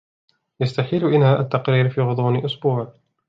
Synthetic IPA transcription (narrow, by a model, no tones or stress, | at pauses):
jast̪aħiːlʊʔɪnhaːʔat̪ːɑqɾiːɾfiːɣʊd̪ˤuːnɪʔʊsbuːʕ